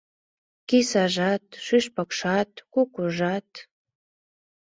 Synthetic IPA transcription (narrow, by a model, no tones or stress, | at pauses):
kisɑʒɑt̪̚ʃyʃpəkʃɑt̪̚kukuʒɑt̪